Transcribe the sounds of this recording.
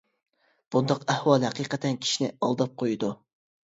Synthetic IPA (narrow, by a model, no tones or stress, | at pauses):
b̥und̪ɑqæhwɑlˠhɛqiqʰət̪ʰɛnkʲʰi̥ʃinɪɑlˠd̪ɑp̚qʰojud̪u